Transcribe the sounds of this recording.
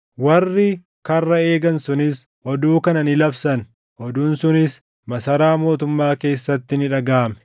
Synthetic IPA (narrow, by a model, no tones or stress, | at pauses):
wɐrːɪ | kɐrːɐe̞ːɡɐnsʊnɪs | ʔɔd̪uːkɐnɐnɪlɐbsɐn | ʔɔd̪uːnsʊnɪs | mɐsɐɾaːmo̞ːt̪ʊmːaːke̞ːsːɐt̪ːɪnɪᶑɐɡaːmɛ̥